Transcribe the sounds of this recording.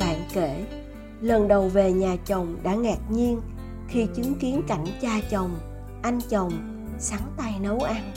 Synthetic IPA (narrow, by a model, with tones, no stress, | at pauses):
ɓa̰ː˧˨nke˧˩ | lə˨˩nɗə˨˩wve˨˩ɲaː˨˩t͡ɕə˨˩wŋ͡mɗa̰ː˧˥ŋɛː˨˩t̚ɲi˧ən | xi˧t͡ɕɨ˨˦ŋki˨˦ənka˧˩jŋ̟t͡ɕaː˧t͡ɕə˨˩wŋ͡m | ʔa˧jŋ̟t͡ɕə˨˩wŋ͡m | saː˨˦ŋt̪a˧jnə˨˦wʔaː˧n